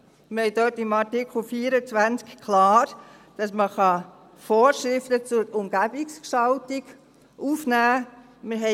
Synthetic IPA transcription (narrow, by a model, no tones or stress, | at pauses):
mɪhɛɪdøtɪmɑtɪkχl̩fiːəɾət͡svænt͡skkʰlaːɾ | d̥ɑsməχɑ | foːɾʃɾɪftət͡sʊʊmɡ̥æbikskʃɑltiɡ | ʔuːfnæː | mɪɾɦɛ